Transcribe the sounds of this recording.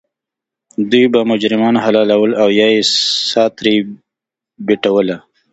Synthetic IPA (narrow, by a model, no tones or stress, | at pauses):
d̪ujbamʊd͡ʒɾɪmɑːnɦalɑːlawəlawjaesɑːt̪ɾi | biʈawəla